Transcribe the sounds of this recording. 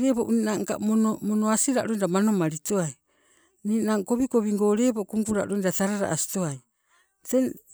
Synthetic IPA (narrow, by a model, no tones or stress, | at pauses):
ɾeboʔninaŋka̰onomonoasiɾa̰ʔɾojndamano̞maɾitoaj | ninaːŋko̞βiko̞βiŋɡo̞ːɾeːbokuŋɡuɾa̰ʔɾojndataɾaɾa̰ʔasi̥toaj | ten